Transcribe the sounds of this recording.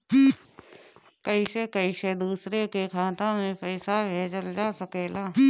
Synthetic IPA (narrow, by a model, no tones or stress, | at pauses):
kəisekəised̪uːsɾekekʰaːt̪ãmẽpəɪsabʱeːd͡ʒəld͡ʒaːsəkeːlaː